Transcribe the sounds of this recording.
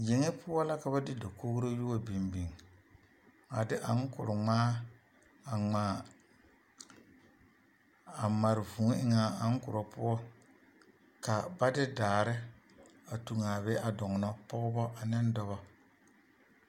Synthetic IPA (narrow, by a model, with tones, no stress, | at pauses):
je˨ŋe˦pʰʊ˦ɔ˦la˦ka˨βa˦dɪ˦da˨ko˦kɾo˦ju˦wɔ˦bi˨mbi˨ŋ | a˨dɪ˦ʔa˨ŋ˦kʊ̰˨ɾʊ˨ŋ͡maː˦ | a˨ŋ͡maː˨˦ | a˨ma˨ɾɪ˨vu˨ŋ˦ɪ˦ŋa˨a˨ŋ˦kʊ˨ɾɔ˨pʊ˦ɔ˦ | ka˨ba˦dɪ˦daː˨ɾɪ˦ | a˨tu˨ŋa˨bɛ˦ʔa˨dɔ˨ŋ˨nɔ˦pɔ˦ɣʊ˦bɔ˦ʔa˨nɪ˦ndɔ˦βɔ˦